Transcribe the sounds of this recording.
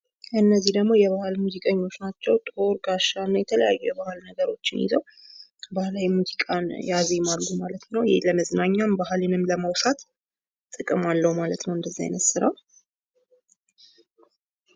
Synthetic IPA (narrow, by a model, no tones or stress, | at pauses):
kʰɨnːəzːihd̪əɡmo̞jɛβahɨlmuzikʼəɲːo̞t͡ʃːnat͡ʃːɛwt̪ʼo̞ɾɡaʃːanːajɛt̪ʰələja̰jːujɛβahlnəɡəɾo̞t͡ʃːɪnḭzəw | bahlawimuzikʼanjaze̞malɡumalət̪nəwjɪ̰ləməznaɲːambahlɨnɨmləmawsat̪ | t̪ʼːɨkʼɨmalːəwmalət̪nəwɨnd̪əzːa̰j̰nət̪sɨɾa̰l